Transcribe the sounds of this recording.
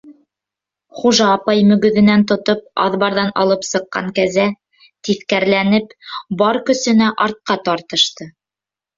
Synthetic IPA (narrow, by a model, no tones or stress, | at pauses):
χuʒɑːpɑjmɵ̆ɡɵ̆ðɘ̆nænt̪̬ŏt̪op̚ɑ̰ðbɑɾðɑnɑ̰lˠɤpsɤ̆qːɑ̰ŋkæzæ | t̪iθkæɾlænɘpbɑɾkɵ̆sɵ̆næʔɑɾt̪̚qɑt̪ɑɾt̪ɤ̆ʃt̪ɤ